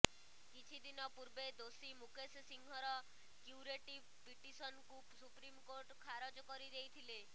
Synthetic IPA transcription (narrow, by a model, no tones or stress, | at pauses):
kit͡ʃʰid̪inɔpuɾbed̪osimukessiŋɡʱɔɾɔ | kjuɾeʈibpiʈisɔnku | supɾimkoɾʈkʰaɾɔd͡ʒɔkɔɾid̪ejt̪ʰile